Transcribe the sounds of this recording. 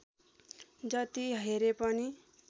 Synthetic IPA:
d͡zʌt̪iɦeɾepʌni

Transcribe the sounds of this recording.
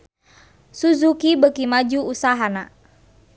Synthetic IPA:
suzukibəkimad͡ʒuusaɦana

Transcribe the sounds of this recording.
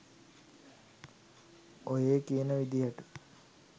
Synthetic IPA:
ojeːkijənəʋid̪ijəʈu

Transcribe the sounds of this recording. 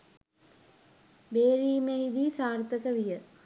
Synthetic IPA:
beːɾiːmeɦid̪iːsaːrt̪əkəʋijə

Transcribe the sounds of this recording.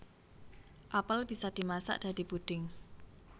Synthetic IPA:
ʔapəlb̥isad̪̥i̤masa̰ʔd̥a̤d̥̪i̤pud̪̥ɪŋ

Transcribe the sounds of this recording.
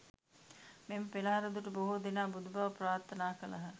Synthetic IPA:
meməpelɐɦɐɾɐd̪uʈəboɦud̪enaːbud̪ubaʋɐpraːɾt̪ʰːɐnaːkɐlɐ̰ɦə

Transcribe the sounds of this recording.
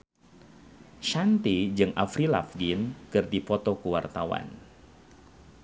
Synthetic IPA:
ʃant̪id͡ʒɨŋʔafɾila̰fɡinkɨrdifot̪ɔkuwart̪awa̰n

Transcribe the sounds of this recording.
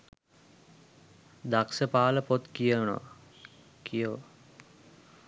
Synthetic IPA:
d̪aksəpaːləpot̪kijəno̰ʋa̰ | kʰijəʋ

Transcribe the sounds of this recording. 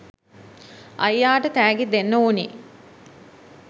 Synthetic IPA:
ʔɐjjaːʈət̪æːɡed̪enːəuni

